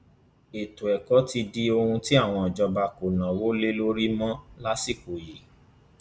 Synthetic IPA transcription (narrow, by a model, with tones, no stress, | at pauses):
e˨to˨ɛ˨kɔ˨˦ti˧di˦o˧hũ˧ti˦a˦˨w̃ɔ̃˧ɔ˨d͡ʒɔ˧ba˧ko˨nã˨wo˨˦le˦lo˦ɾi˦mɔ̃˦la˦si˦˨ko˨ji˨